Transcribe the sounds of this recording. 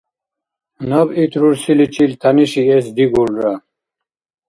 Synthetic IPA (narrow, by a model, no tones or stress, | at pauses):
nɐbit̪ʰɾuɾsilit͡ɕilt̪ʰaniɕies̬d̪iɡulɾa